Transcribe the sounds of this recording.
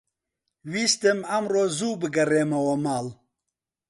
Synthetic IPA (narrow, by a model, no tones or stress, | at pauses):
wiːst̪ɨmɐmroːzuːbɨɡɐreːmɐwɐmaːl